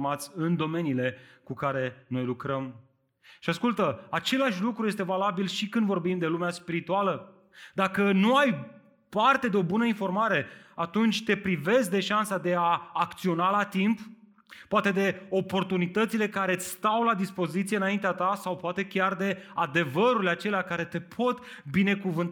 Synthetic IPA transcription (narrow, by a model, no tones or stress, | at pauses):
mat̪sʲɨnd̪o̞me̞niːle̞kukaɾe̞no̞jlukɾəm | ʃiaskult̪əat͡ʃe̞laʃʲlukɾuje̞s̬t̪e̞valabilʃikɨnd̪vo̞rbimd̪e̞lumeaspiɾit̪ualə | d̪akənuaj | part̪e̞d̪e̞o̞bunəinfo̞rmaɾe̞at̪unt͡ʃʲt̪e̞pɾive̞sk̚d̪e̞ʃansad̪e̞aːkt̪sio̞nalat̪imp | pːoat̪e̞d̪e̞o̞po̞rt̪unit̪ət̪sile̞kaɾe̞t̪ʲst̪awlad̪ispo̞zit̪sieɨnaint̪eat̪asawpoat̪e̞kʲard̪e̞ad̪e̞vəɾulʲat͡ʃe̞leakaɾe̞t̪e̞pʰo̞t̪ | bine̞kuvɨnt̪